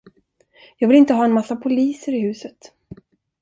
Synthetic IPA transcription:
jɑːɡvɪlɪnt̪əɦɑːɛnmasːapʰʊliːsəɾɪhʉ̟ːsət̪

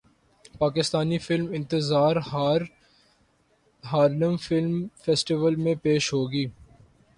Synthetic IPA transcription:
paːkɪst̪aːnifɪlmɪ̃nt̪ɪzaːɾhɾ | ɦaːɾnəmfɪlmfɛːsʈɪʋəlmẽpeːʃɦoːɡiː

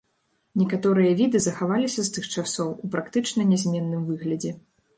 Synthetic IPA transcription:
nʲɛkat̪ɔɾɨjɐvʲid̪ɨzɐxavalʲisʲɐst̪ɨxt͡ʂasɔwupɾakt̪ɨt͡ʂnɐnʲɛzʲmʲɛnːɨmvɨɣlʲɐd͡zʲɛ

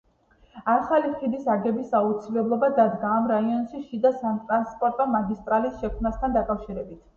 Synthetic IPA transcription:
aχaliχid̪isaɡɛbisaut̪sʰilɛblˠɔbad̪ad̪ɡaːmɾaiɔnʃiʃid̪asant̪ʼɾanspʼɔɾt̪ʼɔmaɡist̪ʼɾalisʃɛkʰmnast̪ʰand̪akʼafʃiɾɛbit̪ʰ

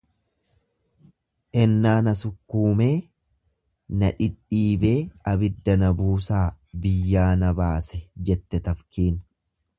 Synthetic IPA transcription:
ʔɛnːaːnɐsʊkːuːme̞ː | nɐᶑɪᶑiːbe̞ːɐbɪd̪ːɐnɐbuːsaːbɪjːaːnɐbaːsɛd͡ʒɛt̪ːɛt̪ɐfkiːn

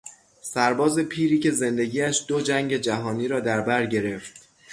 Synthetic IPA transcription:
sæɾbɒːze̞pʰiːɾiːcʰe̞ze̞nd̪e̞ɡiːæʃd̪̥od͡ʒæŋɟe̞d͡ʒæɦɒːniːɾɒːd̪æɾbæɾɟe̞ɾe̞ft̪

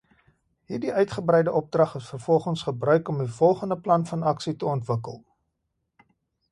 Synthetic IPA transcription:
ɦiːrdiœɥtχəbrɛjdəʔɔp̚drɐχəsfərfɔlˠχənsχəbrœɥkɔmifɔlˠχəndəplɐnfɐnɐksitəɔntvəkə̰lˠ

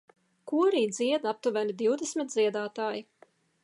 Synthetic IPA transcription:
kuɔɾiːd̪ziɛd̪ap̚t̪uvʲænid̪iwd̪ɛsmʲit̪̚dziɛd̪aːt̪aːji

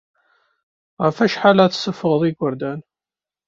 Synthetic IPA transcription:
ʁəfæʃħalaθsəfəʁəðˤiɡʷəɾd̪æn

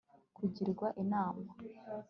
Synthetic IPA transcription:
kuɟiɾɡwaʔinaːma

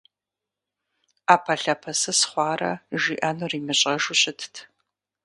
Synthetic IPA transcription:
aːpʰɐɬɐpʰɐsɐsχʷɑːrɐ̰ʒiːʔɐnuriːmɨɕʼɐʒʊɕʼɪtʰtʰ

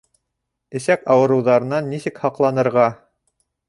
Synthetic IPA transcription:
ɘ̆sækɑwɤ̆ɾɤ̆wðɑɾɤ̆nɑnːisɘkhɑqlˠɑnɤ̆ɾʁɑ

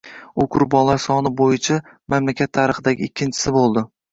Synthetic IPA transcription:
ʊkʰʊɾbɒnlaɾsɒnɪbojɪt͡ʃʰa | mamlakʲʰat̪ʰːaɾɨχɨd̪aɡʲɪːkʲʰːɪnt͡ʃʰɪ̥sɪbolˠd̪ɪ

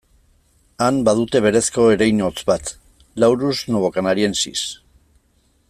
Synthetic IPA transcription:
ambaðut̪e̞βe̞ɾe̞sko̞eɾejɲo̞t͡sbat̪ | lawɾuznoβo̞kanaɾie̞nsḭs

